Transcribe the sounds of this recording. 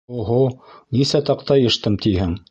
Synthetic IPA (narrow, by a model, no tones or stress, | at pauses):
oɦonisæt̪ɑqt̪ɑjɤ̆ʃt̪ɤmt̪ʰihɘŋ